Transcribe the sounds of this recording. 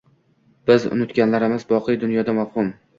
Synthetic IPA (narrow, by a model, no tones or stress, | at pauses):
b̥ɪzʊ̰nʊt̪kʲanlaɾɪmɪzbɒqʰɨjd̪ʊnjɒd̪amafhʊm